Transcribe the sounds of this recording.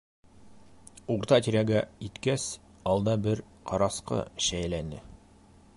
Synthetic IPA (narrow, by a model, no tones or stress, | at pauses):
uʁɾt̪ɑt̪iɾʲæɡæit̪kæs | ɑlˠd̪ɑbɘɾ | qʰɑɾɑsqɤ̰ɕæjlænɘ̰